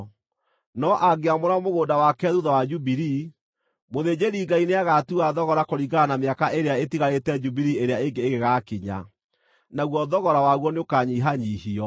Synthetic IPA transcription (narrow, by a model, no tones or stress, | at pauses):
nɔʔaɡeamoɾamoɣoːdawakɛðuðawad͡ʒubiɾi | moðed͡ʑeɾiːɡaineaɣatuaðɔɣɔɾakoɾiɡanameakaʔeɾeaetiɣaɾetɛd͡ʒubiɾieɾeaeŋɡeːɣeɣaːkiɲa̰ | naɣwɔðɔɣɔɾawaɣwɔneokaːɲiɦaɲiːhiɔ